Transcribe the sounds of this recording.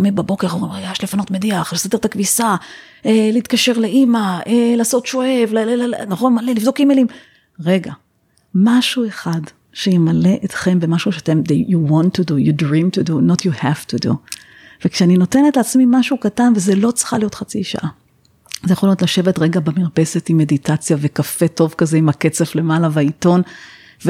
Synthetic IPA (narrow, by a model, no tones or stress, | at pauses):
omebabo̞keʁoʁiajaʃlefano̞tmediaχlesade̞ʁt̪akvisa | eleit̪kaʃe̞ʁleʔimaʔelaːsotʃo̞evlllnaχo̞nmalelivd̪o̞kimelim | ʁe̞ɡa | maʃue̞χad | ʃejimale̞ʔet̪χe̞mbe̞maʃuʃeatemd̪ejuwɔntːudujudʁimtudunotʰjuhæv̥tudṵ | v̥ekʃeanino̞te̞netleːt͡smimaʃukatanvezelo̞t͡sχalijo̞tχat͡siʃa̰ʔa | zejaχolijo̞tlaʃevetʁe̞ɡabemiʁpe̞se̞timːe̞ditat͡sjavekafe̞to̞vkazeimake̞t͡se̞fle̞malavaito̞n | ve